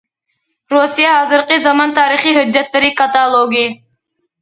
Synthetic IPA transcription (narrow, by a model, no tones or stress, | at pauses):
ɾusijaɦazɨɾqʼizamɑnt̪ʰaːɾiχiɦød͡ʒːat̪ːaɾikʰʼat̪alˠɔɡi